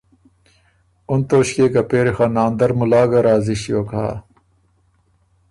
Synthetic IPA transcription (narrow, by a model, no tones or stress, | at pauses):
unt̪oːɕkeːkɐpeːɾixanaːnd̪ɐɾmulaːɡɐɾaːziɕjoːkʰa̰ː